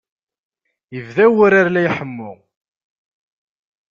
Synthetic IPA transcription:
jəvðæwʊɾaɾlæjħəmːʊʁ

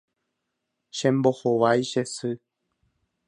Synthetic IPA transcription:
ʃẽmbohoʋajʃesɨ

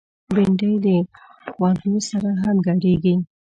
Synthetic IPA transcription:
beɳɖəjd̪ə | wɑdənosaɾaɦamɡaɽeɡi

